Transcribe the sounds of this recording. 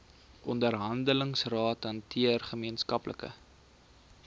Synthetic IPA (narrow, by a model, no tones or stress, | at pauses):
ʔɔndərɦɐndələŋsrɑːtɐntʰiərχəmiənskɐplʔə̰kə̰